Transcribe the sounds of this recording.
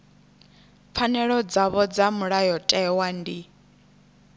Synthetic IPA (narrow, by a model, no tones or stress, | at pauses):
p̪fʰanɛɺɔd͡zaβɔd͡zamuɺajɔtʼɛwandi